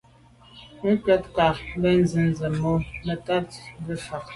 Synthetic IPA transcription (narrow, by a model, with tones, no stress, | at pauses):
kɛ˦tka˨˦bɛ˦n˦zi˨n˨zɛ˨mo˦mɛ˨ta˦t̚bə˦fa˨k̚